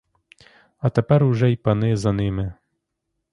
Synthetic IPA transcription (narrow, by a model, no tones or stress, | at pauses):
ɐt̪ɛpɛɾwʐɛipanɪzɐnɪmɪ